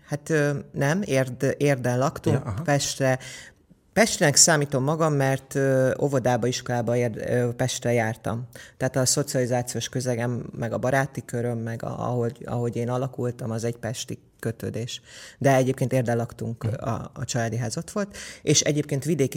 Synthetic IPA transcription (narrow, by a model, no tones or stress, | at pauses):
hat̪ønɛmeːreːrd̪ɛnlɒkt̪uŋkpɛʃt̪rɛ | pɛʃt̪rinɛksaːmiːt̪o̞mːɒɡɒmːɛrt̪øo̞̰vo̞d̪aːbɒiʃko̞laːbɒerpɛʃt̪rɛjaːrt̪ɒ̰mt̪ɛɦaːt̪ɒso̞t̪siɒlizaːt̪sijoːʃkø̞zɛɡɛmːɛɡɒbɒɾaːt̪ikø̞ɾø̞mːɛɡɒ̰ɒ̰ɦoɟɒ̰ɦo̞ɟeːnɒlɒkult̪ɒmɒzɛɟpɛʃt̪i | køt̪ø̰ːd̪eːʃd̪ɛɛɟeːpkeːneːrd̪ɛlɒkt̪uŋkɒ̰ːt͡ʃɒlaːd̪iɦaːzo̞t̪ʋo̞lt̪eːʃɛɟeːp̚keːnt̪ʋid̪eːki